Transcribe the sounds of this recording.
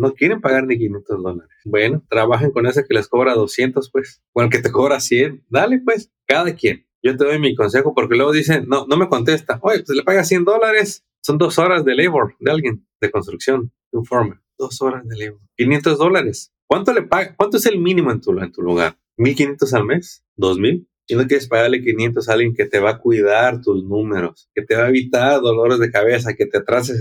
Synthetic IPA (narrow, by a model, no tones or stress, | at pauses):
no̞kje̞ɾe̞mpaɣaɾnik̬inje̞nt̪o̞zðo̞laɾesbwe̞no̞t̪ɾaβaxeŋko̞ne̞s̬ekelesko̞βɾaðo̞sje̞nt̪o̞spwe̞s | konelket̪e̞koβɾasje̞nd̪alepwe̞s | kaðakje̞n | ɟ͡ʝo̞t̪e̞ðojmiko̞ns̬e̞xopo̞ɾke̞lweɣo̞ðis̬e̞ːono̞me̞ko̞nt̪e̞st̪aʔojepweslepaɣasje̞nd̪o̞laɾe̞s | so̞nd̪o̞so̞ɾazðelejβoɾd̪ealɣjen | d̪̥e̞ko̞nst̪ɾuksjo̞n | uɱfoɾmed̪o̞so̞ɾazðelejβoɾkinje̞nt̪o̞zðo̞laɾe̞s | kwant̪ole̞paɣakwant̪oeselmĩnĩmo̞ent̪uent̪uluɣa̰ɾ | milk̬inje̞nt̪o̞s̬alme̞s | d̪o̞zmil | inokjeɾespaɣaɾlekinje̞nt̪o̞saalɣje̞ŋke̞t̪e̞βakwiðaɾt̪uznũme̞ɾo̞ske̞t̪eβaeβit̪aɾðo̞lo̞ɾe̞zðe̞kaβe̞s̬ake̞t̪eat̪ɾas̬e